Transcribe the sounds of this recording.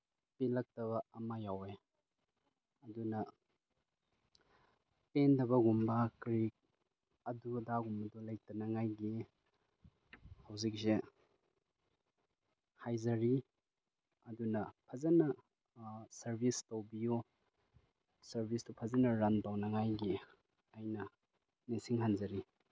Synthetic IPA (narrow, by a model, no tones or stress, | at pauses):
pilɐk̚tɐβɐɐmajawe | ɐdunɐ | tendɐbɐɡumbɐkɾik̚ | ɐdudaɡumbɐdolɐjk̚tɐnɐŋajɡi | hɐwzik̚se | hajzɐɾi | ɐdunɐpʰɐzɐnɐ | sɐɾbʱistowbiju | sɐɾbʱistupʰɐzɐnɐɾanpawnɐŋajɡi | ajnɐ | nisiŋɦanzɐɾi